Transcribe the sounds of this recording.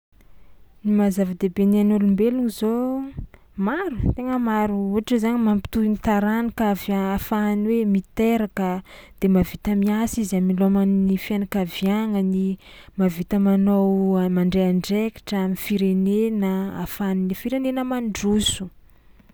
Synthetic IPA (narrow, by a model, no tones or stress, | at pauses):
nimazavəd̪ebenanulumbeluŋizo | maɾut̪eŋəmaɾuuaʈ͡ʂəzaɲimampi̥t̪uinit̪aɾanikavaafaːniwemit̪eɾakəd̪̥emavit̪əmiasiziamilomannifjanakavjaŋənimavit̪əmanowamaɳɖ͡ʐeaɳɖ͡ʐeki̥ʈ͡ʂəamifiɾenenəa̰faninifiɾenenəmaɳɖ͡ʐusu̥